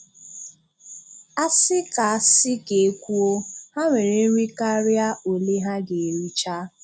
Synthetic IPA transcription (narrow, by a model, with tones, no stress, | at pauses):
a˦sɪ˦ka˨a˨sɪ˦ke˨e˦kʷu˦o˦ha˦ŋʷe˨ɾe˨˦ɾʷi˦ka˦ɾja˦o˨le˦ɦa˦ɡe˨ɾi˦t͡ʃa˦